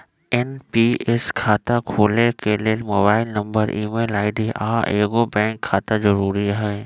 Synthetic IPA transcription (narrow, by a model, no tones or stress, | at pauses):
ɛnpiːɛskʰaːt̪akʰoːlekeliemoːbaːɪlnɐ̃mbəɾʔiːmeːlaːɪɖiʔaːʔeːɡobɛ̃ːŋkʰːaːt̪azɐɾuːɾiɦɛː